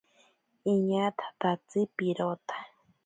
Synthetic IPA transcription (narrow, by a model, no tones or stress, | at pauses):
iɲat̪ʰḁt̪at͡sɨpiɾot̪ḁ